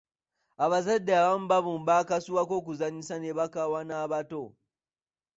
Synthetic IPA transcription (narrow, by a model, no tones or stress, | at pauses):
aβazadːeaβamubaβumbakasuwakokuzaɲisaneβakawanaβato